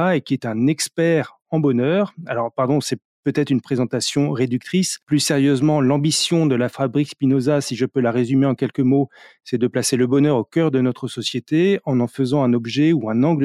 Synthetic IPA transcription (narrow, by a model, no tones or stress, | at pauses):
aekʲiɛt̪ɛ̃nɛkspɛʁ | ɑ̃bɔnœːʁalɔʁpaʁd̪ɔ̃sɛ | pøt̪ɛt̪χynpχezɑ̃t̪asjɔ̃ʁed̪yk̚t̪χisplyseʁjøzmɑ̃lɑ̃bisjɔ̃d̪əlafabʁikspinozasiʒəpølaʁezymeɑ̃kʲɛlkəmosɛd̪əplaseləbɔnœʁokʲœʁd̪ənɔt̪χəsɔsjet̪eɑ̃nɑ̃fəzɑ̃ɛ̃nɔbʒɛuɛ̃nɑ̃ɡlə